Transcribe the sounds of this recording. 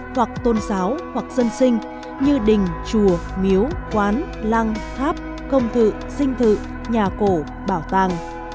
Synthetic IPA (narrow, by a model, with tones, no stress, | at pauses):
hwa˨˩k̚t̪o˧nzaː˨˦whwa˨˩k̚z̥ə˧nsï˧ŋ̟ | ɲɨ˧ɗï˨˩ŋ̟t͡ɕu˧˩əmi˨˦əwkwaː˨˦n | la˧ŋfʰaː˦˥p̚ | kə˧wŋ͡mt̪ʰɨ̰˧˨ | sï˧ŋ̟t̪ʰɨ̰˧˨ | ɲaː˨˩ko˧˩ | ɓaː˧˩wt̪aː˧˨ŋ